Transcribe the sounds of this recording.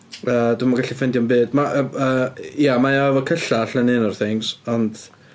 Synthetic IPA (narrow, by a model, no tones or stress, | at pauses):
əːd̥ɪmaɡaɬifɛndjɔnbɨːd̥maʔəːjamajaɛvɔkʰəɬaɬənɨnɔrθɪŋzɔnd̥